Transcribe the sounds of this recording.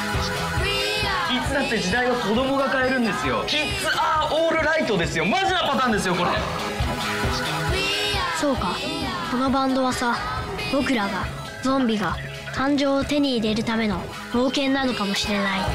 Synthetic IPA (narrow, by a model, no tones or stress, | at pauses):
kʲit͡sɨd̪at̪ːe̞d͡ʑid̪aiβako̞d̪o̞mo̞ɡakae̞ɾɯ̟̃nd̪e̞sɨjo̞kʲi | t͡sɨʔaːʔoːɾɯ̟ɾait̪o̞d̪e̞sɨjo̞mazinapat̪ãːnd̪e̞s̬ɨjoko̞ɾḛ | so̞ːkaso̞no̞bãnd̪o̞βasa | b̥o̞kɯ̟ɾaɡa | d͡zõ̞mbʲiɡa | kʰãɲ̟d͡ʑo̞ːt̪e̞ɲ̟iːɾe̞ɾɯ̟t̪ame̞no̞ | ho̞ːkẽ̞nːano̞kamo̞ɕiɾe̞nai